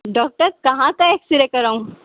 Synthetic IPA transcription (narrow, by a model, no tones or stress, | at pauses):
ɖɔːk̚ʈəɾkɐɦãkaeːksɪɾekɐɾaũ